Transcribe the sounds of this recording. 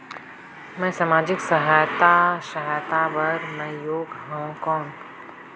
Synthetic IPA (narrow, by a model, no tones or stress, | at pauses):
mɛ̃ːsamaːd͡ʒɪksɐɦaːjt̪aʃəɦajt̪abɐɾmɛ̃ːjoːɡɦãũkɔ̃ːn